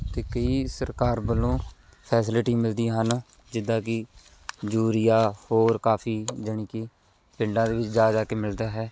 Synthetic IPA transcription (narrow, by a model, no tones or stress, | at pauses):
t̪eːkəiːsəɾkaːɾbəlõː | pʰɛːs̬ɪlɪʈiːmɪld̪iːɦən | d͡ʒɪd̪ãːkɪ | d͡ʒuːɾɪjaːhoːɾkaːpʰiːd͡ʒəɳ̃iːkɪ | pɪ̃ɳɖãːd̪eːʋɪt͡ʃd͡ʒaːd͡ʒaːkeːmɪld̪aːɦɛː